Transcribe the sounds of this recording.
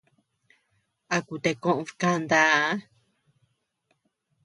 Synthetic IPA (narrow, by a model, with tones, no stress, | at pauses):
a˧ku˧˨t̪e˧kõ˦ʔõ˧fkã˧nd̪a˧˦